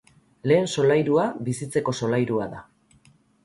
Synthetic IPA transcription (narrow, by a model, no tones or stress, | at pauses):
le̞ːnso̞lajɾuabisit͡se̞ko̞so̞lajɾuaða